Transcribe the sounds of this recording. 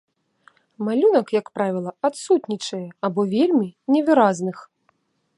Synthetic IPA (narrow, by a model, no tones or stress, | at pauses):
malʲunɐkjɐkpɾavʲilˠɐat̪sut̪nʲit͡ʂɐjɛabɔvʲelʲmʲinʲɛvɨɾaznɨx